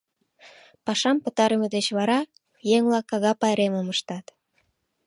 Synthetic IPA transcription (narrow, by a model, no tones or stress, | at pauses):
pɑʃɑmpət̪ɑɾəməd̪et͡ɕβɑɾɑ | jeŋlɑkːɑɣɑpɑjɾeməməʃt̪ɑt̪